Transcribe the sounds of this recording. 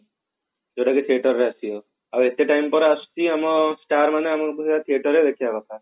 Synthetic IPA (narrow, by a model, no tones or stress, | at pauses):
d͡ʒoʈakit̪ʰieʈɔɾɾeasiɔ | awet̪eʈajmpɔɾast͡ʃiamɔsʈaɾmaneamɔkuset̪at̪ʰieʈɔɾed̪ekʰiabakʰa